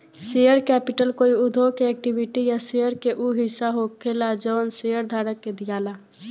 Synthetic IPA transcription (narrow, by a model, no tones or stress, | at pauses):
sejəɾkɛːpɪʈəlkoːiʊd̪ʱokeɛːk̚ʈibɪʈijasejəɾkeʔuɦɪsːaɦokʰelad͡ʒɔːnsejəɾd̪ʱaːɾəkːed̪ɪjaːla